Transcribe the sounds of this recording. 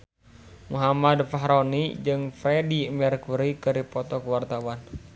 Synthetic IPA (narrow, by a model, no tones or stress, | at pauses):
muɦamad̪faɦɾɔnid͡ʒɨŋfɾɛdimɛrkuɾikɨɾipɔt̪ɔkuwart̪awan